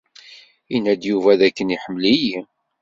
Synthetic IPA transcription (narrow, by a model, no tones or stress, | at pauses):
inæd̪juvæðækːəniħəmːəliji